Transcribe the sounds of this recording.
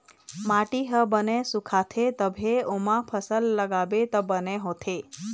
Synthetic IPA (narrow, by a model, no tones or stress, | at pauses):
mãʈiɦəbənesukʰat̪ʰet̪əbʱeomãpʰəsəlːəɡabet̪əbəneɦot̪ʰe